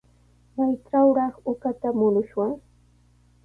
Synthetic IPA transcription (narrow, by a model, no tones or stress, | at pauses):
majʈ͡ʂawɾɑχʊkat̪amʊlʊʃwaŋ